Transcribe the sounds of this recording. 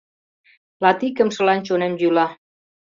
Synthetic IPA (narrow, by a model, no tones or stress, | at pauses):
lɑt̪ikəmʃəlɑnt͡ʃonemjulɑ